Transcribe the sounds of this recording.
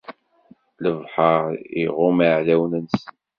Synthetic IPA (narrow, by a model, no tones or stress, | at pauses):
ləvħəʁḭʁʊmaʕlæwnəns